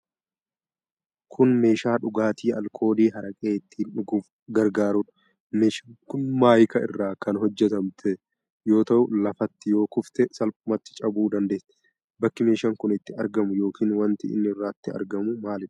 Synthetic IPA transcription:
kʰʊnme̞ːʃaːᶑʊɡaːt̪iːɐ̰lkʰo̞ːd̪iːɦɐɾɐkʼe̞ːɪt̪ːiːnᶑʊɡʊf | ɡɐɾɡaːɾʊᶑɐ | meːʃɐŋkʊnmaːjkɐɪrːaːkɐnɦɔd͡ʒːɛt̪ɐmt̪ʰɛ | jo̞ːt̪ɐʔʊlɐfɐt̪ːɪjo̞ːkʊft̪ɛsɐlpʼʊmɐt̪ːɪt͡ʃʼɐbuːd̪ɐnd̪eːt̪ɛ̥ | bɐkːɪme̞ːʃɐŋkʊnɪt̪ːɪɐɾɡɐmʊjo̞ːkʰiːnwɐnt̪ɪɪ̰nːɪɪrːaːt̪ːɪɐ̰ɾɡɐmʊmaːlɪ̥

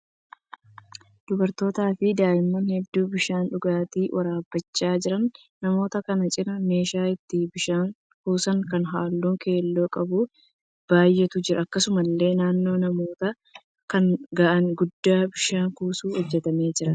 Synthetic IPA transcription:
d̪̥ʊbɐɾt̪o̞ːt̪aːfɪd̪aːjɪmːɐnhɛd̪ːuːbɪʃaːnᶑʊɡaːt̪iːwʔɐɾaːbːɐt͡ʃːaːd͡ʒɪɾɐnː | ɐmo̞ːt̪ɐkɐnɐt͡ʃʼɪɾɐme̞ːʃaːɪt̪ːɪbɪʃaːŋ | kuːsɐŋkɐnɦaːlːuːŋke̞ːlːo̞ːkʼɐbu | b̥aːjːɛt̪ʊd͡ʒɪɾɐɐkːɐsʊmɐlːe̞ːnaːnːo̞ːnɐmo̞ːt̪ɐ | kɐnɡaʔɐŋɡʊd̪ːaːbɪʃaːŋkuːsuːhɔd͡ʒːɛt̪ɐme̞ːd͡ʒɪɾɐ

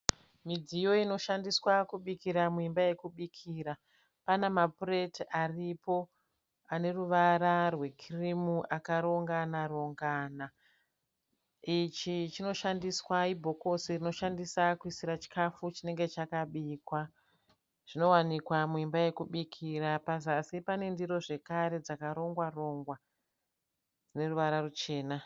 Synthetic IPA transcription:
mid͡zijo̞ino̞ʃandiswakuɓikiɾamuimbaje̞kuɓikʰiːɾa | panamapure̞taripo̞ | ane̞ruʋaɾarwe̞kʰirimuʔakaɾo̞ŋɡanaro̞ŋɡana | it͡ʃit͡ʃino̞ʃandiswaibʱo̞ko̞sirino̞ʃandisakuisiɾat͡ʃi̥kafut͡ʃine̞ŋɡe̞t͡ʃakaɓikwa | ʐ̥ino̞wanikwamuimbaje̞kuɓikʰirapazasipane̞ndiɾo̞ʐe̞kaɾe̞d͡zakaɾo̞ŋɡwaro̞ŋɡwa | ne̞ruʋaɾarut͡ʃe̞ːna

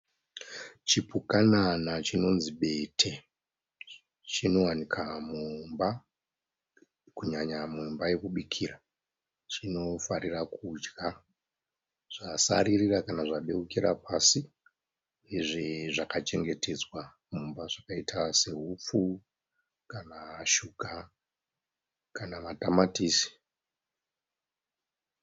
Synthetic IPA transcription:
t͡ʃipukananat͡ʃino̞nziɓe̞tʰe | t͡ʃino̞wanikʰamumba | kuɲaɲamumbaje̞kuɓikʰira | t͡ʃino̞faɾirakud͡ʒɡa | ʐ̥asa̰ɾirirakanaʐaɓe̞ukiɾa̰pasi | eʐeʐakat͡ʃe̞ŋɡe̞te̞d͡zwa | mumbaʐ̥akaitʰase̞ɦup͡fu | kanaʃuka | kanamatamatiːsi̥

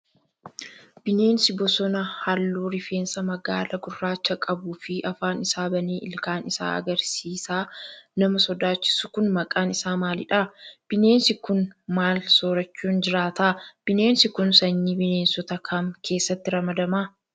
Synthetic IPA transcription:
b̥ɪne̞ːnsɪbɔsɔnɐhalːuːɾɪfe̞ːnsɐmɐɡa̰ːlɐɡʊrːaːt͡ʃːɐkʼɐbuːfɪʔɐfaːnɪsaːbɐneːʔɪ̰lkaːnɪsa̰ːɐ̰ɡɐɾsiːsaːnɐmɐsɔd̪aːt͡ʃːɪ̥sʊkʊnmɐkʼaːnɪsaːmaːlɪᶑaːb̥ɪne̞ːnsɪkʊnmaːlsoːɾɐt͡ʃːuːnd͡ʒɪɾaːt̪aːb̥ɪne̞ːnsɪkʊnsɐɲːibɪne̞ːnsɔt̪ɐkʰɐmkʰe̞ːsːɐt̪ːɪɾɐmɐd̪ɐmaː

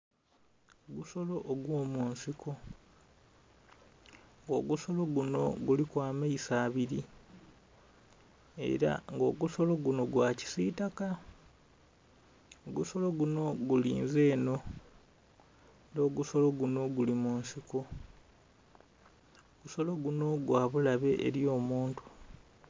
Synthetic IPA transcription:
oɡuso̞lo̞ʔːɡwo̞ːmunsikʰo̞ | ŋɡo̞̰ːɡuso̞lo̞ɡuno̞̰ɡulikwaːmeisaːβiɾi | e̞̰ɾa̰ŋɡo̞ːɡuso̞lo̞ɡuno̞ɡwaci̥siːtaka | oɡuso̞lo̞ɡuno̞ɡulḭːnze̞ːno̞ | ndo̞ːɡuso̞lo̞ɡuno̞ɡulimunsiko | oɡuso̞lo̞ɡuno̞ɡwaːβulaβe̞ʔːɾjo̞ːmuːntu̥

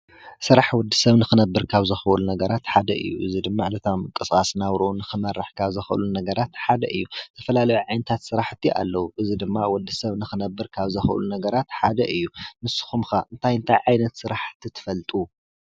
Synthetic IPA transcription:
sɨɾaħwɔd̪ːɨsɐβnɨxɨnɐbːɨɾkʰaβzɐxʔɨlunɐɡɐɾat̪ħad̪ɐʔɨ̰jːṵʔɨzid̪ɨmːaʕlɐt̪ʰamɨkʼːɨskʼasnawɾuunɨxɨmɐrːɨħkʰaβzɐxʔɨ̰lunɐɡɐɾat̪ħad̪ɐʔɨjːut̪ʰɐfɐlalɐjuʕajnɐt̪ʰat̪sɨɾaħt̪ʰːiʔa̰lːɐwuʔɨzid̪ɨmːawɔd̪ːɨsɐβnɨxɨnɐbːɨɾkʰaβzɐxʔɨ̰lunɐɡɐɾat̪ħad̪ɐʔɨjːumɨsɨ̥xumxaʔɨnt̪ʰajɨnt̪ʰajʕajnɐt̪sɨɾaħt̪ʰit̪ʰɨ̥fɐlt̪ʼu

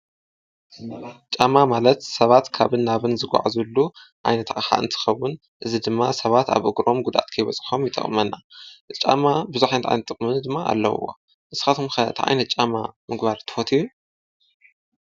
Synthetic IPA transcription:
t͡ʃʼamamalɐt̪sɐβat̪kʰaβɨnːaβɨnzɨɡʷa̰ʕzulːu | ʔa̰jnɐt̪ʰʔʼxa̰ɨ̰nt̪ʰɨ̥xɐwːʊn | ʔɨzid̪ɨmːasɐβat̪a̰βʔɨɡɾo̞mɡud̪ʔa̰t̪kʰɐjβɐt͡sʼxomjɪt̪ʼːɐ̰χʼmɐnːaɨt͡ʃʼːa̰mabɨzuħajnɐt̪ʰʼa̰jnɐt̪ʼːɨkʼmɨnd̪ɨmːaa̰lːɐ̰w̰wo̰ | ʔɨzɨ̥xat̪ʰomxɐat̪ʰʔa̰jnɐt̪̚t͡ʃʼama̰mɨɡbaɾt̪ʰɨ̥fot̪ʰiju

